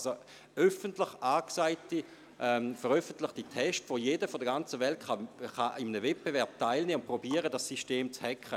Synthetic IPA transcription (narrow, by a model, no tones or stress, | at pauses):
zo | œfəntlɪχaːksaɪti | ʔɛfɛʁœfən̩tlɪχtitʰɛʃtʋojeːdəfɔdəɡant͡səvɛltχaχɑʔɪmənəvɛt̚b̥evɛɐp̚taɪlneːʊnpʁobiːəʁədasːiʃteːmt͡shɛkχə